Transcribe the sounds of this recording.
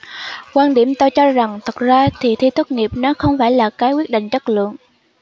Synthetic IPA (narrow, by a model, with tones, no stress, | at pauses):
kwaː˧nɗi˧˩əmt̪o˧t͡ɕɔ˧za˨˩ŋt̪ʰə˨˩k̚zaː˧t̪ʰi˨˩t̪ʰi˧t̪ʰɨ˦˥k̚ŋi˨˩əp̚nɔ˨˦xə˧wŋ͡mfaː˧˩jlaː˨˩kaː˨˦jkwi˦˥ət̚ɗḭ̈˧˨ŋ̟t͡ɕə˦˥t̚lɨ̰˧˨əŋ